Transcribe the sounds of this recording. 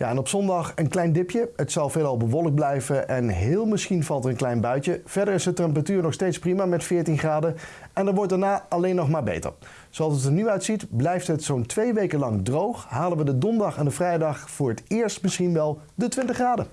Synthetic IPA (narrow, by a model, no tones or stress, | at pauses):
ja̰ɛnɔpsɔndɑχənklɛjndɪpjəɦətsɑlˠveːlˠɑlˠbəʋɔlˠəɡ̚blɛjvəʔɛnɦɪːlˠmɪsχinvɑlˠtətə̃nklɛjnbœɥtəv̥ɛɹdəɹɪsətrɑmpratyːɹnɔχstejtsprimaːmɛtfɪːɹtinχraːdə | ɛnəɹʋɔɹt̚daːɹnaːɑlejnːɔχmaːɹbḛjtə̰ɹ | sowɑlˠsətəɹnyœɥtsitblɛjftɦətsowntʋejʋejkəlɑŋdrowχɦaːlənʋədədɔndɑχɛndəvrɛjdɑχfʊːɹətɪːɹstmɪsχinʋɛlˠ | dətʋɪntəχraːdə